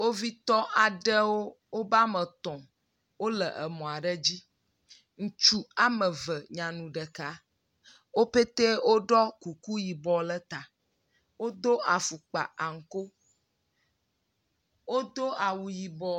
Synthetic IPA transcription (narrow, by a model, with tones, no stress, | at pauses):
wo˦vi˦t̪ɔ˦ʔa˨ɖə˦wo˦ | wo˦ba˦mə̃˨t̪ɔ̃˨ | wo˦lə˨ʔə˨mɔ̃˨a˨ɖə˦d͡ʑi˦ | ŋ̩̃˨t͡ʃu˦a˨mə˨və˨ɲã˨nũ˨ɖə˨ka˦ | wo˦pe˦t̪e˦wo˦ɖɔ˦ku˨ku˦ji˨bɔ˨lə˦t̪a˨ | wo˦d̪o˦a˨fu˨k͡pa̰˨a˨ŋ̩˨ko˦ | wo˦d̪o˦a˨wu˨ji˨bɔ˦